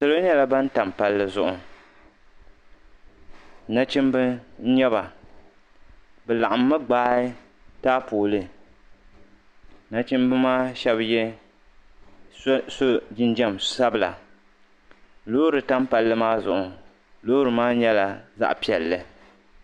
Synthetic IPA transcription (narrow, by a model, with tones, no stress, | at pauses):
sɨ˨lo˦ɲɛ˦la˨ba˦n˦ta˨mpa˨lːɨ˦zʊ˨ʔʊ˨˦ | na˦t͡ʃi˦mbɨ˦n̩˦ɲɛ˦ba˨ | bɛ˨la˨ʔa˨mːɨ˦ɡ͡baː˦ɪ˦ | taː˦poː˨lɨ˦ | na˦t͡ʃi˦mbɨ˦maː˦ʃɛ˦bjɛ˦ | so˦d͡ʒɪ˦nd͡ʒɛ˦msa˦bɨ˨la̰˨ | loː˦ɾɨ˨ta˦mpa˨lːɨ˦maː˦zʊ̰˨ʔʊ˨ | loː˦ɾɨ˨maː˦ɲɛ˦la˨za̰˦ʔpi˨ɛ˨lːɨ˨